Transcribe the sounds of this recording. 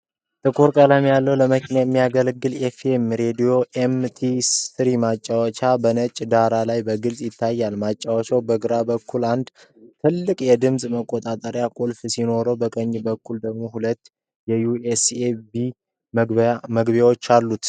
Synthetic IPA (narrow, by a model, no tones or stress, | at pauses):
t̪ʼɨkʰoɾkʼələmjalːəwləməkʰinajɛmːijaɡəlɡːɨlefemɾe̞d̪ijo̞ʔemt̪ʰisɨɾimat͡ʃʼːawɔt͡ʃʰabənət͡ʃʼd̪aɾalajbəɡɨlsʼjɪt̪ʰːajːalmat͡ʃʼːawət͡ʃawbəɡɨɾabəkʰːuland̪ | t̪ʰɨlːɨkʼjɛd̪ɨmsʼməkʼːot̪ʼat̪ʼəɾjakʼolfsino̞ɾəwbəkʼəɲːbəkʰːuld̪əɡmo̞hulət̪ː | jɛjuesebi | məɡbewot͡ʃːalːut̪